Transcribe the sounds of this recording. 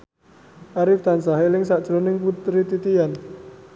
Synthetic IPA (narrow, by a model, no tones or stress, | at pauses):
ʔaɾɪft̪ansaɦelɪŋsaʔd̥ʒ̥ɾonɪŋput̪ɾit̪it̪ijan